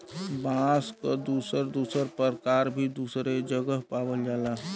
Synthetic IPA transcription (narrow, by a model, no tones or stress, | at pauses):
bãskəd̪uːsəɾd̪uːsəɾpəɾkaːɾbʱid̪uːsɾed͡ʒəɡəɦpaːwəld͡ʒaːlaɦ